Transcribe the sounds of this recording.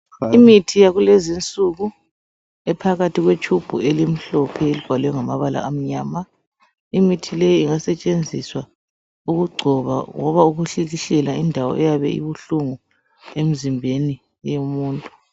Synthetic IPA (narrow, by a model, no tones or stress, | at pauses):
imitʰijaɣulezint͡sʼuɣu | ɛpʰaɣatʰiɣwet͡ʃʼʰub̥ʱṵelim̩ɬɔpʰɛelib̥ʱalɛjɔŋamaβala̰ʔam̩ɲaːma | imitʰilejiːŋasɛt͡ʃʼend͡zʱiswa | uɣuɡ͡ǀʱɔβa̰ŋɔβauɣuɬiɣiɬɛlaindʱawɔ̰ʔɛjaβɛ̰ḭβuɬuŋu | em̩zimbʱeni | jomuːntʼu̥